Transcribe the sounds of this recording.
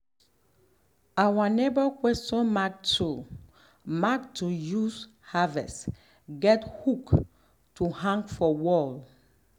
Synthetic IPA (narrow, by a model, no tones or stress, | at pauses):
awanebəkwɛstɔ̃nmak̚tʰu | maktujus | havɛ̰s | ɡɛthuk | tuhãŋɡfɔwɔl